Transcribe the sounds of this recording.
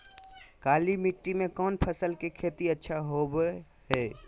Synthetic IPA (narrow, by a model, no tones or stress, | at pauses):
kaːlimiʈːimẽkɔːnpʰəsəlkekʰet̪iətːʃʰaɦob | ɦɛː